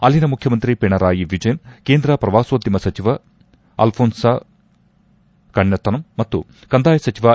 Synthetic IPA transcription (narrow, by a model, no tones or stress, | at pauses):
ɐlinɐmukʰjɐmɐnt̪ɾipeɳɐɾaːjiʋid͡ʒɐjɐnkeːnd̪ɾɐpɾɐʋaːsoːd̪jɐmɐsɐt͡ʃiʋɐ | ɐ̰lpʰoːnsa | kɐɳjɐt̪ːɐnɐmːɐt̪ːu | kɐnd̪aːjɐsɐt͡ʃiʋaː